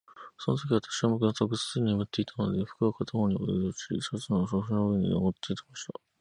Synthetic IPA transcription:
so̞not̪o̞kʲiβat̪ḁɕiβamokɯ̟nat̪okɯ̟sɨ̥t͡sɨɲimɯt̪ːe̞it̪ʰano̞d̪e̞ɸɯ̟̥kɯakʰat̪aɦoɲ̟iod̪ooɕisot͡sɨnoɕoɕɯnoɯeɲ̟ḭno̰ɡot̪ːɨit̪emaɕi̥t̪a̰

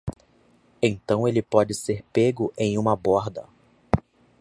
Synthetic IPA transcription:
ẽj̃t̪ɐ̃w̃elɪpɔd͡ʒɪseɾpeɡʊʔẽj̃ũmɐbɔɾd̪ɐ

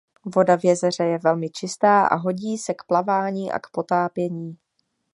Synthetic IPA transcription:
vo̞davjɛzɛr̝ɛjɛvɛlmɪt͡ʃɪst̪aːʔa̰ɦo̞ɟiːsɛkplavaːɲiːʔa̰kpo̞t̪aːpjɛɲiː

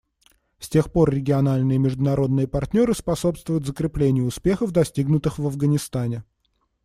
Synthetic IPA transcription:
sʲtʲe̞xpo̞rːʲɪɡʲɪɐnalʲnɨjəmʲɪʐd̪ʊnɐɾo̞d̪nɨjəpɐrtʲnʲo̞ɾɨspɐso̞pst̪vʊjʊt̪zəkɾʲɪplʲenʲɪjəʊspʲe̞xəfd̪ɐsʲtʲiɡnʊt̪ɨxvɐvɡənʲɪst̪anʲɪ

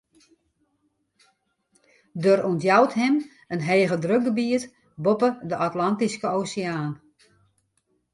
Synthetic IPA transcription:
dørɔntjawtɦɪm | ənɦeːɣədrøk̚ɡəbiət | bopədəʔatlantiskəoːsɪaːn

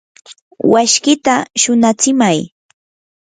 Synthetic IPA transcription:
waʃkɪt̪aʃʊnat͡sɪmaj

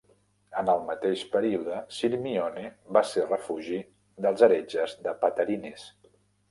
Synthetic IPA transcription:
ənəlˠmət̪eʃpəɾiuðəsilmioneβaserəfuʒi | ðəlˠzəɾed͡ʒəzðəpət̪əɾines

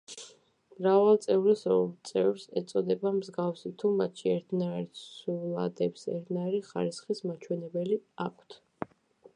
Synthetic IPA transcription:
mɾavalˠt̪sʼɛvɾisɔt̪sʼɛvɾsɛ̰t̪sʼɔd̪ɛbamzɡafsit̪ʰumat̪ʃiɛɾt̪ʰnaiɾsulˠa̰d̪ɛpsɛ̰ɾt̪ʰnaɛɾiχa̰ɾisχismat͡ʃʰwɛnɛbɛliakʷʰt̪ʰ

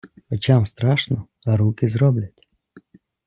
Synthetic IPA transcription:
ɔt͡ɕamst̪ɾaʂnɔɐɾukʲɪzɾɔblʲɐtʲ

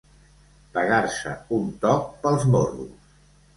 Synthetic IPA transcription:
pəɣaɾsə̰unt̪ɔk̚pəlˠzmorṵs

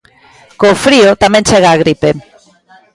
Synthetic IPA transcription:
kofɾiʊt̪amɛ̃nt͡ʃɛɣaːɣɾipe

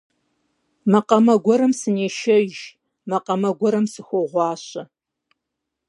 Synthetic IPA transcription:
mɐqɐmɐɡʷɔɾɨmsɨneːʃɐʒ | mɐqɐmɐɡʷɔɾɐmsɨxʷoʁʷɑːɕɐ

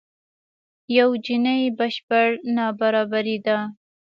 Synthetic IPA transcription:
jawd͡ʒinəjbaʃpaɽnɑbaɾɑbaɾid̪a

